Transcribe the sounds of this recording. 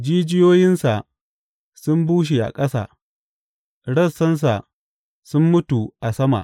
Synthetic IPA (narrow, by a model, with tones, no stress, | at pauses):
d͡ʒiː˦d͡ʒɪ˦joː˦jɪ˦nsa˨ | sʊ˦mbuː˦ʃ̬i˨ʔa̰˨kʼɐ˦sa̰ː˨ | ɽɐ˦˨sːɐ˦ns̬a˨ | sʊ˦mːʊ˦tu˨ʔa˨sɐ˦ma̰˨ʔ